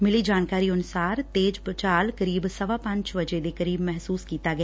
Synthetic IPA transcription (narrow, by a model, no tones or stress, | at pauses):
mɪliːd͡ʒaːnkaːɾiʊnʊsaːɾt̪eːd͡ʒpɾət͡ʃaːlkəɾiːbsəʋaːpɐ̃ɲt͡ʃʋəd͡ʒed̪eːkəɾiːbmɛɦsuːskiːt̪aɡɐjaː